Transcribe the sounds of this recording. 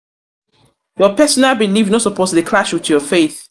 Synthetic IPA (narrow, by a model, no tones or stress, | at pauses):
jɔpʰɛsɔnabilivnɔtsɔpʰoslikʰlaʃwɪtjɔfeɪθ